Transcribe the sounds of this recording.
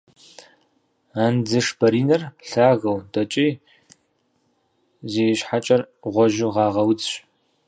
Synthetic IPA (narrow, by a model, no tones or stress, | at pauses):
aːnd͡zɨʂbɐɾiːnɐrɬaːɣɐwdɐt͡ʃʼiː | zeːjɕħat͡ʃʼɐrʁʷɔʒɪʁɑːʁɐwt͡sʼɕ